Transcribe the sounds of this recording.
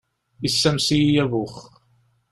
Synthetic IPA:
isːæmsijævʊχ

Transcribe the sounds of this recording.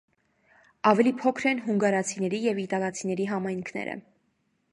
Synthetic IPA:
ɑvɛlipʰɔkʰɾɛnɦuŋɡɑɾɑt͡sʰinɛɾijɛvit̪ɑlɑt͡sʰinɛɾiɦɑmɑjŋkʰnɛ̰ɾə̰

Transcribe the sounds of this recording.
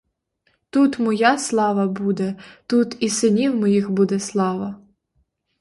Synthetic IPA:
t̪ut̪mɔjɑslˠɑʋɐbud̪ɛt̪ut̪isɪnʲiwmɔjixbud̪ɛslˠɑʋɐ

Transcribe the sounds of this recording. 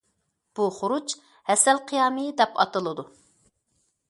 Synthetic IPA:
b̥uχʊɾut͡ʃ | hɛsɛlqʰijɑːmɨd̪ɛpɑ̰t̪ɨlˠɨd̪u

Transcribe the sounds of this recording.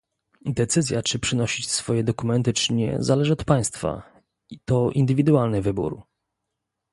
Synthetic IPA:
d̪ɛt̪sɘzʲjat͡ʂɘpʂɘnɔɕit͡ɕsfɔjɛd̪ɔkumɛnt̪ɘt͡ʂɘɲɛ̰zalɛʐɘɔt̪paj̃st̪fa̰ | it̪ɔʔḭnd̪ɘvʲid̪ualnɘvɘbṵɾ

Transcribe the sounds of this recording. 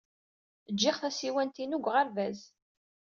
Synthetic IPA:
əd͡ʒːɪχθæsiwænt̪inuɡʷʁəɾvæz

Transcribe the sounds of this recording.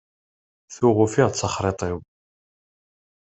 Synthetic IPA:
θuʁʊfiʁt͡sːəχɾˤet̪ˤɪw

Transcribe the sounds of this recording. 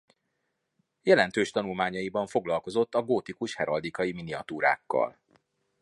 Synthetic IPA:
jɛlɛn̪t̪øːʃt̪ɒnulmaːɲɒjibɒɱfo̞ɡlɒlko̞zo̞t̪ːɒɡoːt̪ikuʃhɛɾɒld̪ikɒjiminiɒt̪uːɾa̰ːkːɒ̰l

